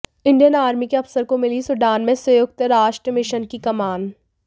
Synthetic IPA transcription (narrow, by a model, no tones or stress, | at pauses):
ɪ̃ɳɖijənaːɾmikeɐfsəɾkomɪlisʊɖaːnmẽsɐjoːk̚t̪ɾaːʃʈɾəmɪʃənkikɐmaːn